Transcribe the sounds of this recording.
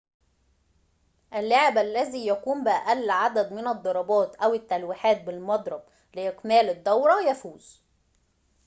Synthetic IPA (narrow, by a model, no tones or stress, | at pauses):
ʔælːoʕɪbʔælːæziːjækuːmbɪʔæʔælːʕad̪æd̪mɪnæd̪ˤːɑɾˤɑbɑːt̪ʔæwɪt̪ːælwiħaːt̪̚bɪlmɑd̪ˤɾˤɑb | lɪʔɪkmæːlɪd̪ːɑwɾˤɑjæfuːz̥